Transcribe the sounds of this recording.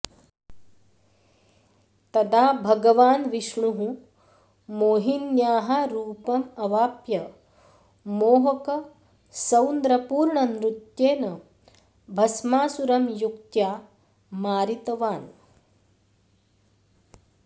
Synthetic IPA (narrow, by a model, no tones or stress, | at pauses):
t̪ɐd̪aːbʱɐɡɐʋaːnʋiʃɳuɦũ | moːɦinjaːɦaɾuːpɐmɐʋaːpjɐ | moːɦɐkɐ | sɐwnd̪ɾɐpuːɾɳɐnɾut̪jeːnɐ | bʱɐsmaːsuɾɐmjukt̪jaː | maːɾit̪ɐʋaːn